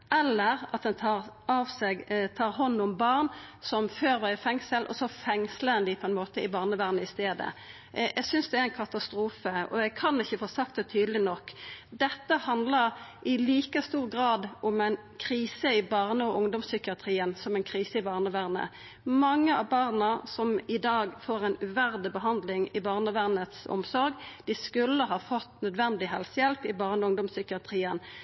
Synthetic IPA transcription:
ʔɛlːəʁɑt̪̚d̪ɛnt̪ʰɑːʁɑʋsɛɡt̪ʰɑːʁɦɔnːʊmbɑːʁnsɔmføːɾʋæɪfɛŋsəlʔɔ̰sɔfɛŋsləənd̪ɪpʰɔɛnmoːt̪əɪbɑːʁnəʋæːʁnəɪst̪eːd̪ə̰ | jɛɡsʏnsd̪ɛæɾæɪnkʰɑt̪ɑst̪ɾuːfəɔ̰ɛɡkʰɑnɪçːəfoːsɑkt̪̚d̪ɛt̪ʰyːd̪əlɪnɔkːd̪ɛt̪ːəhɑnd̪ləʁʔɪliːkəst̪uːʁɡɾɑːd̪ɔmɛɪn | kʰɾiːsəɪbɑːʁnəɔʔʊŋd̪ʊmsʏkɪɑt̪ʰʁiːənsɔmɛnkʰɾiːsəɪbɑːʁnəʋæʁnə̰ | mɑŋːəɑbɑːʁnəsɔmɪd̪ɑːɡfoːɾɛɪnʉʋæʁd̪əbəɦɑnd̪lɪŋɪbɑːʁnəʋæʁnət̪sɔ̰msɔɾɡd̪ɪskʉlːəɦɑːfɔt̪ːnœd̪ʋɛnd̪ɪɦɛlsəjɛlpɪbɑːʁnəʊŋd̪ɔmsʏkɪɑt̪ʰʁiːən

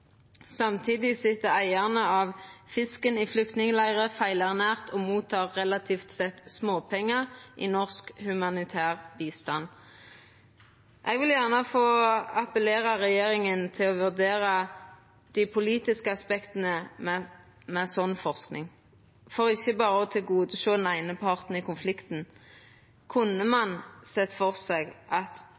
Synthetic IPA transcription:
sɑmt̪ʰiːd̪ɪsɪt̪əæɪæʁnəɑʋfɪskəniːflʏk̚t̪nɪŋəlæɪʁəfæɪlæʁnæːʁt̪ʰoːmuːt̪ʰːɑːʁːɛlɑt̪ʰiːft̪sɛt̪smoːpʰɛŋːəʁʔiːnɔʁskhʉmɑnɪt̪ʰæːʁbiːst̪ɑn | ʔɛːɡʋɪljæʁnəfoːɑpəleːʁɑʁɛjeːʁɪŋənt̪ʰɪlɔʋʉʁd̪eːʁə | d̪̥ɪpʰʊliːt̪ɪskəɑspɛkt̪ənəmɛ | mɛsɔnfɔʁsknɪ̰ŋ | fɔʁɪçːəbɑːʁəɔt̪ʰɪlɡuːd̪əʃoːd̪n̩æɪnəpʰɑʁt̪n̩ɪkʊnflɪkt̪n̩ | kʰʊnːəmɑnsɛt̪fɔʁsɛɡʔɑt̪

